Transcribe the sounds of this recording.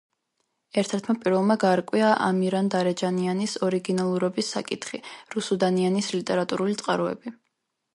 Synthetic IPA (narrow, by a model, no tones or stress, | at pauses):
ɛɾt̪ʰɛɾt̪ʰmapʼiɾvɛlˠmaɡaːɾkʼwiaʔa̰miɾand̪aɾɛd͡ʒanianisɔɾiɡinalˠuɾɔbisːa̰kʼit̪ʰχiɾusud̪anianislit̪ʼɛɾat̪ʼuɾulit̪sʼqʼaɾɔɛ̰bi